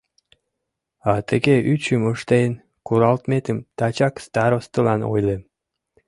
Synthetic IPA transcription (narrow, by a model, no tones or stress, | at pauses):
ɑt̪əɣeʔyt͡ɕəməʃt̪ejən | kuɾɑlt̪met̪əmt̪ɑt͡ɕɑkst̪ɑɾost̪ə̆lɑno̰jle